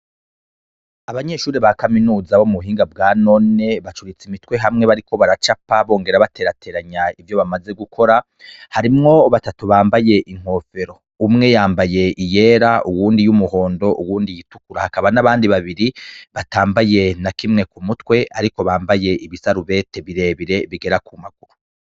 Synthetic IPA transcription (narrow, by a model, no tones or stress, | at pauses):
aβaɲe̞ʃuːɾiβakaminuːzaβomuβuɦiːŋɡabɡaːno̞ne̞βat͡ʃuɾit͡simitwe̞ɦamŋe̞βaɾiko̞βaɾat͡ʃapaβo̞ːŋɡe̞ɾaβate̞ɾatʰe̞ːɾaɲaivjo̞βamaze̞ɡukʰo̞ɾa | haɾimŋo̞βatatuβaːmbaje̞ʔiŋ̥o̞ːfe̞ɾo̞ | umŋe̞jaːmbaje̞ʔijeːɾaʔuwuːndijumuho̞ːndo̞ʔuwuːndijitukuɾahakaβanaβaːndiβaβiɾiβataːmbaje̞nakimŋe̞kumutwe̞aɾiko̞βaːmbaje̞ʔiβisaɾuβe̞te̞βiɾe̞βiɾe̞βiɡe̞ɾakumaɡuɾu